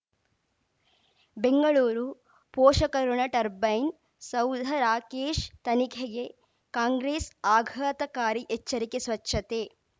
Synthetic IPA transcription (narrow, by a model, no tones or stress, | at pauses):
beŋɡɐɭuːɾu | pɔːʃɐkɐɾuɳɐʈɐɾbɐjn | sɐwd̪ʱɐɾaːkeːʃt̪ɐnikʰeɡe | kaːŋɡɾeːsaːɡʱɐt̪ɐkaːɾiʔet͡ʃːɐɾikesʋɐt͡ʃːʃʰɐt̪eː